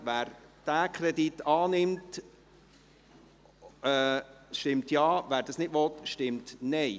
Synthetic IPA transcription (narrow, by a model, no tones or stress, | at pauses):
ʋæːɾd̥æːkʰɾɛditɑːnɪmt | ɛʃtɪmtjɑːʋæːɾd̥ɑsnɪtʋɔt̪ʃtɪmtnɛɪ